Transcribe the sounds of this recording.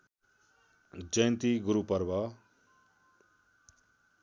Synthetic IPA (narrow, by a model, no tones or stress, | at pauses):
d͡ʒəj̃nt̪iɡʊɾupɐɾba